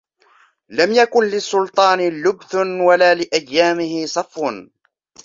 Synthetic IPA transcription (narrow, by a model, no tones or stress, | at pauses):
lamjakʊnlɪsˤːʊlt̪ˤɑːnlʊbθnwalaːlɪʔajːaːmɪhɪsˤɑfːʊ